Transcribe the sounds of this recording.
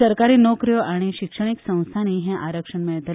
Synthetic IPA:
əɾkaɾiːnokɾjoʔaɽ̃iʃikʂəɽ̃iksə̃w̃st̪ʰaniɦɛ̃ʔaɾəkʂəɳmɛt̪ʰ

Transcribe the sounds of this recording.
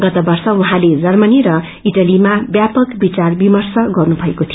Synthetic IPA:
ɡʌt̪ʌbʌrsʌuɦãled͡zʌrmʌniɾʌ | iʈʌlimabjapʌkbit͡sarbimʌrsʌɡʌrnubʱʌekot̪ʰijo

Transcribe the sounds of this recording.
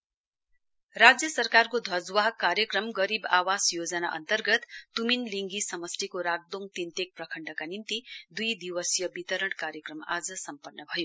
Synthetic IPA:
rad͡zjʌsʌrkarkod̪ʱʌd͡zwaɦkːaɾjʌkrʌmɡʌɾiba̰wasjod͡zʌnaʔʌ̰nt̪ʌrɡʌt̪ːuminliŋɡisʌmʌst̪ikoɾaɡ̚d̪oŋ̚t̪int̪ek̚prʌkʰʌɳɖʌkanint̪id̪ujd̪iwʌsjʌbit̪ʌɾʌɽkaɾjʌkrʌma̰d͡zʌsʌmpʌnːʌbʱʌjo

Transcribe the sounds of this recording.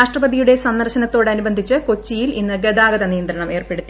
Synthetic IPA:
aːʂʈrɐbɐðijuɽe̞sɐnːɐrɕɐnɐt̪ːo̞ːɽɐnubɐnd̪ʱit͡ɕːɨko̞t͡ɕːijilḭnːɨɡed̪aːɡɐðɐnijɐnd̪ɾɐɳɐme̞ːrpe̞ɽut̪ːi

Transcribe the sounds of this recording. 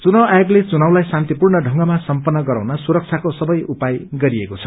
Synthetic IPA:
t͡sunʌwajɡlet͡sunawlajsant̪ipurnʌɖʱʌŋɡʌmasʌmpʌnːʌɡʌɾa̰wnʌsuɾʌk̚t͡sʰakosʌbʌjʔupajɡʌɾiekot͡sʰʌ̥

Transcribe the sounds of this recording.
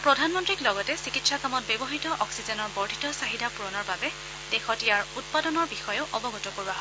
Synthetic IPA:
pɹɔdʱanmɔntɹiklɔɡɔtɛsikitsakamɔt̚bebɔɦitɔʔɔksizɛnɔɹbɔɹdʱitɔsaɦidapuɹɔnɔɹbabɛ | d̥exɔtijaɹut̚padɔnɔɹbixɔjɔʔɔbɔɡɔtɔkoɹuaɦɔ

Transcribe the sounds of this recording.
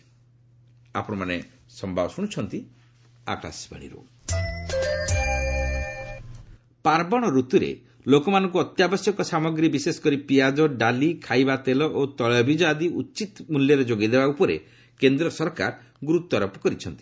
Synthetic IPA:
a̰pɔɽ̃ɔmane | sɔmbʱabɔsuɽ̃t͡ʃʰɔnt̪i | a̰kɭa̰sba̰ɽ̃ḭɾṵ | paɾbɔɽ̃ɔɾut̪uɾḛ | lokɔmanɔ̃ŋk̬uɔt̪jabɔsjɔkɔsamɔɡɾibisesɔ̥kɔɾipijad͡ʒɔɖalikʰajbat̪elɔʔot̪ɔɭɔbʱid͡ʒad̪iut͡ʃit̪muljɔɾed͡ʒoɡid̪ebaupɔɾḛ | kend̪ɾɔsɔɾka̰ɾ | ɡuɾut̪ːɔɾɔpɔ̥kɔɾit͡ʃʰɔnt̪i̥

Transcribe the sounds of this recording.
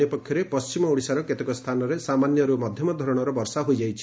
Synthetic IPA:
epɔkʰjɔɾepɔst͡ʃimɔuɽisaɾɔket̪ekɔst̪ʰanɔɾesamanjɔɾumɔd̪ʱjɔmɔd̪ʱɔɾɔɽ̃ɔɾɔbɔɾsaɦojd͡ʒajt͡ʃʰi̥

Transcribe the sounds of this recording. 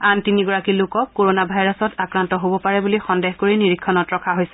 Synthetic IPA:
antiniɡɔɹakilʊkɔkːoɹonabʱajɹasɔtakɹantɔɦobɔpaɹɛbulixɔndeɦkoɹiniɹikʰːɔnɔtɹɔkʰaɦojsɛ

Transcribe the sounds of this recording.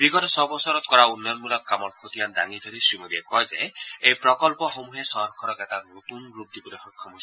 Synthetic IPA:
biɡɔtɔsɔbɔsɔɹɔtkɔɹaunːɔɔnmulɔkːamɔɹkʰotijanda̰ŋid̪ʱoɾisɹimodiɛkɔjzɛejpɹɔkɔlpɔxomuɦɛsɔɔkʰɔɾɔkɛtanotunɹup̚dibɔlojxɔkʰːɔmɦojs

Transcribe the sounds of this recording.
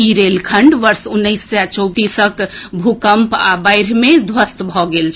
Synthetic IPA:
iɾelkʰəɳɖʋəɾsunːəɪsːjat͡ʃɔwt̪isəkbʱukəmpa̰bajɾmed̪ʱwəst̪bʱɔɡelt͡ʃʰ

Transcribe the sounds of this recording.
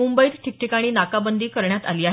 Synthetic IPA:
umbəiːt̪ʈʰik̚ʈʰikaɽ̃iːnakabənd̪iːkəɾɳjat̪a̰liːaɦ

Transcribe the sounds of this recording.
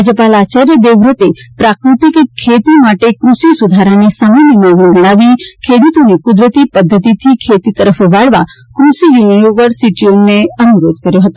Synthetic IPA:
ad͡ʒəpalat͡ʃaɾjəd̪eʋɾət̪epɾakɾut̪ikkʰːet̪imaʈekɾusisud̪ʱaɾanesamanəmaɡɳəɡəɽ̃aʋikʰeɽut̪onekʊd̪ɾət̪ipəd̪ʱːət̪it̪ʰikʰet̪it̪əɾəfʋaɽʋa | kɾusijuniʋəɾsiʈioneənuɾod̪ʱkəɾjoɦət̪o

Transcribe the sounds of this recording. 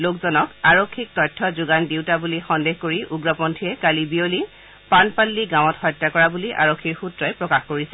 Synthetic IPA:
lokzɔnɔkaɹokʰːik̚tɔjtʰːɔzʊɡandiwtabulixɔndexkoɹiʔuɡɹɔpɔntʰijɛkalibioli | panpalːiɡãw̃ɔtxɔjtːakɔɹabuliʔa̰ɹokʰːiɹxutɹɔjpɹɔkaxkoɹisɛ

